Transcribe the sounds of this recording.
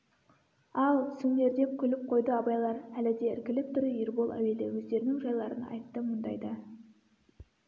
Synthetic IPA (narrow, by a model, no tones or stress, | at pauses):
ɑlˠsɵne̞ɾd̪e̞p̚kʲʰʏlɪp̚qʰo̞jd̪əɑbɑjlˠɑɾælɪd̪e̞ɪ̰ɾkʲɪlɪp̚t̪ʰʏɾɪiɾbolˠʔæ̰we̞lḛwɵzd̪e̞ɾɪnɪŋʒɑjlˠɑɾənɑ̰jt̪ːəmənd̪ɑ̰jd̪ə